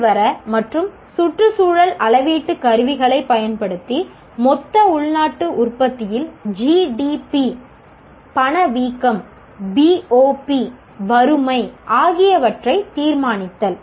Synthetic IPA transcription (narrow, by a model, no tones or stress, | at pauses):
ʋɐɾɐmɐʈrɯm | sʊʈrɯsuːɻɐlɐlɐʋiːʈːɯkɐɾɯʋɪɣɐɭɐɪpːɐjɐnpɐɽɯt̪ːi | mɔt̪ːɐʊɭnaːʈːɯʔʊrpɐt̪ːɪjɪld͡ʒiːɖipi | pɐɳɐʋiːkːɐm | biːoːpi | ʋɐɾɯmɐɪʔaːɣɪjɐʋɐʈrɐɪt̪iːɾmaːnɪt̪ːɐl